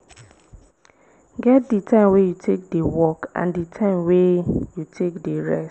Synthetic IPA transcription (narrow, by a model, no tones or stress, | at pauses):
ɡɛt̚ditʰãɪ̃mwejutʰek̚dewɔkã̰nditʰãɪ̃mwejutʰekdeɹɛ̰s